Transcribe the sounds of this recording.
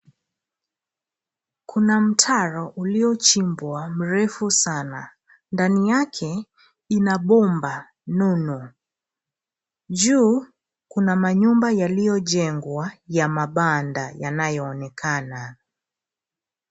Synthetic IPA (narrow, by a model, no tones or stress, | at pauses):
kʰunam̩tʰaɾɔʔuliɔt͡ʃimbwam̩ɾɛfusana | ndanijakʰɛ | inaɓɔmba | nunu | ʄuː | kunamaɲumbajalijɔʄɛŋɡwajamaɓandajanajɔːnɛkʰana